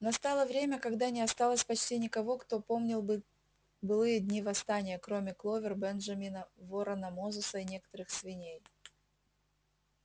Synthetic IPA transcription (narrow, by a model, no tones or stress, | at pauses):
nɐst̪ɑlˠəvɾʲemʲəkɐɡd̪anʲɪɐst̪ɑlˠəsʲpɐt͡ɕtʲinʲɪkɐvo̞kt̪o̞po̞mnʲɪlˠbɨ | bɨlˠɨjədʲnʲivɐst̪anʲɪjəkɾo̞mʲɪklˠo̞vʲɪrbɛnʐɐmʲinəvoɾənɐmozʊsəinʲe̞kə̥t̪əɾɨxsvʲɪnʲej